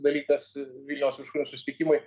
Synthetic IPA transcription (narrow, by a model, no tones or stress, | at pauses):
d̪ɐlʲiːkɐsʋʲilʲnʲɛʊsʋʲɪʃuːnʲʊsʊsʲɪt̪ʲɪkʲimʊɪ